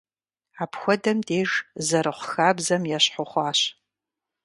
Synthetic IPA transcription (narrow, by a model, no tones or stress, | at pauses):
aːpʰxʷɔdɐmdeːʒzɐɾɨχʷʊxaːbzɐmjɛɕħʊχʷɑːɕ